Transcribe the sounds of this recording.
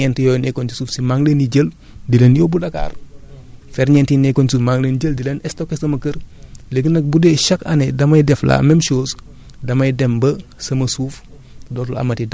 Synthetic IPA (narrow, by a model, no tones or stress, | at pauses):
ɛntijɔːjnɛkontisuːfsimaŋleniɟəl | dilenjobudaka̰ːr | fɛɾɲɛntinɛkonsuːfmaŋlenɟəldilenɛstokːesɐmɐkəɾleɡənɐk̚budeʃɐkɐ̰nedɐmɐjdɛfla̰ːmɛmʃoːs | dɐmɐjdɛmbəsɐmɐsuːf | dɔtulɐ̰mɐtid